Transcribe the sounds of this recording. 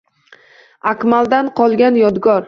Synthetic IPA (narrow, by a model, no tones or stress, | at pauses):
akʲmalˠd̪anqʰɒlˠɡʲanjɒd̪ɡɒɾ